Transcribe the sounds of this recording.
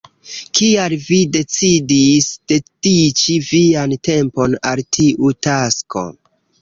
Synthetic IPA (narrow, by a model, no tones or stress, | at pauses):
kialvide̞t͡sidisd̥e̞tit͡ʃiviante̞mpo̞naltʰiʔutasko̞̰